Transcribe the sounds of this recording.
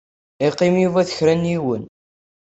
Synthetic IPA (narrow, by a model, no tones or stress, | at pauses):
iqːimjuvæθə̥çɾænjiwən